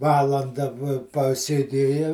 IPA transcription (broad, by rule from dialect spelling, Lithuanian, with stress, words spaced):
ˈʋɑːlˠɐndɐ ʋoː pɐsʲeːˈdʲeːjɛ